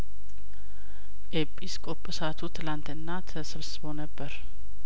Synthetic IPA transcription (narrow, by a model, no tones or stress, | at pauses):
ʔepʼːiskʼopʼɨsat̪ʰut̪ʰɨlant̪ɨnːat̪ʰəsɨβsɨbonəbːəɾ